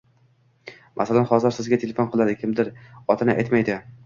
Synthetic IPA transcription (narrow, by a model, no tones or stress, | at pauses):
mʔasalanχɒzɪɾsɪzɡʲat̪ʰelefonqʰɨlˠad̪ɪkʲʰɪmd̪ɪɾɒt̪ʰanɪʔajt̪majd̪ɪ